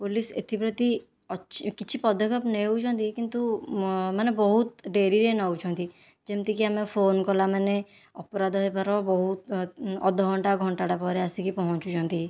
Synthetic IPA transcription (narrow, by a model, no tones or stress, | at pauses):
polisḛt̪ʰipɾɔt̪i | ɔkit͡ʃʰipɔd̪ʱːɔkɔpneut͡ʃʰɔnt̪ikint̪umanebɔɦut̪̚ɖeɾiɾenaut͡ʃʰɔ̃nt̪i | d͡ʒemt̪ikiamepʰonkɔlamane | ɔpɔɾad̪ʱɔepaɾɔbɔɦut̪ɔd̪ʱɔɡʱɔɳʈaɡʱɔɳʈaʈapɔɾeasikipɔɦɔ̃t͡ʃut͡ʃʰɔnt̪i